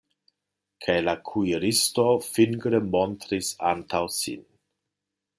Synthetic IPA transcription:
kʰajlakʰuiɾistofinɡɾemontɾisa̰ntʰawsḭn

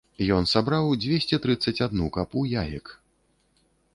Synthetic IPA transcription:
jɔnsabɾawd͡zʲvʲesʲt͡sʲɛt̪ɾɨt̪sːɐt͡sʲad̪nukapujajɛk

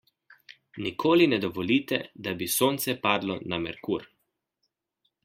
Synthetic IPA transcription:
nikʰoːlinɛd̪ɔʋɔliːt̪ɛ̰d̪abisoːnt̪sɛpaːd̪lɔnamɛɾkuːɾ

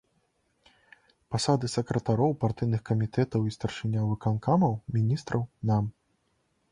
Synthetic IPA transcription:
pasad̪ɨsɐkɾɐt̪aɾɔwpart̪ɨjnɨxkɐmʲit̪ɛt̪ɐwist̪ɐrʂɨnʲavɨkankamɐwmʲinʲist̪ɾɐwnam

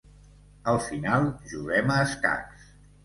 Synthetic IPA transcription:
əlˠfinalˠʒuɣɛməːska̰ks

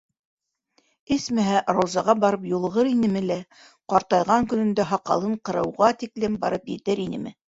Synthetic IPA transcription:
ɘsmæɦæʔɾowzɑʁɑbɑɾɤpjulˠʁɤɾinɘmɘ̆læ | qɑɾt̪ɑjʁɑŋkɵ̆nɵ̆nd̪æɦɑqɑ̰lˠɤɴqɤ̆ɾɤ̆wʁɑt̪iklɘmbɑ̰ɾɤpjɘ̰̆t̪ɘɾinɘ̰̆mɘ̰

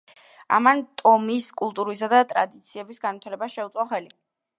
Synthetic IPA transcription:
a̰mant̪ʼɔmiskʼulˠt̪ʼuɾisad̪at̪ʼɾa̰d̪it̪sʰiɛbisɡanvit̪ʰalɛbaʃɛut̪sʼɔχɛli

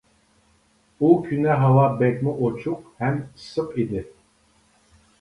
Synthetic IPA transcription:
ukʰynɛɦavabekʲmiʔot͡ʃʰuq̚hæmsɯqid̪ɪ

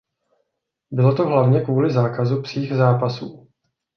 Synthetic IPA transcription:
bɪlo̞t̪oɦlavɲɛkvuːlɪzaːkazupr̥iːxzaːpasuː

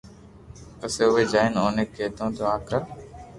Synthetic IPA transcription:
əseːʊɦeːd͡ʒaːɪnoːneːkːeːt̪õːt̪ʰoːaːkɾə

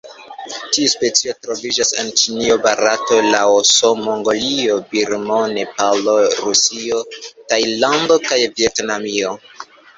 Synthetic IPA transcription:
tiuspe̞t͡sio̞tɾo̞vid͡ʒasent͡ʃiniobaɾato̞laosomoŋɡolio̞biɾmonepalo̞ɾusio̞tajlando̞kajvie̞tnamio̞

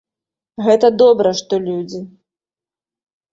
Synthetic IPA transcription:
ɣɛt̪ɐd̪ɔbɾɐʂt̪ɔlʲud͡zʲi

